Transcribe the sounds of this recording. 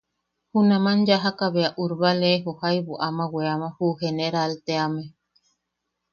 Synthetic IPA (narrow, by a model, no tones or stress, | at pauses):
hunãmand͡ʒaɦakaβeaʔuɾβaleɦohajβuʔamaweamãhuheneɾalt̪eame